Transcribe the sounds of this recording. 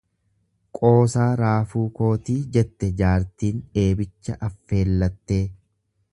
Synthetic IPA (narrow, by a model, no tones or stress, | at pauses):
kʼo̞ːsaːɾaːfuːko̞ːt̪iːd͡ʒɛt̪ːɛd͡ʒaːɾt̪iːne̞ːbɪt͡ʃːɐʔɐfːe̞ːlːɐt̪ːe̞ː